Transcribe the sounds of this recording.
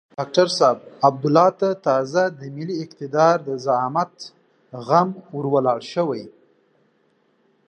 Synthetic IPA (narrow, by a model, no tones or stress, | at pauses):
ɖɑk̚ʈaɾsɑb̚ab̚d̪ʊlɑt̪at̪ɑzad̪əmɪliɪqt̪ɪd̪ɑɾd̪əzamat̪ | ɣamwʊɾwalɑɽʃəwaj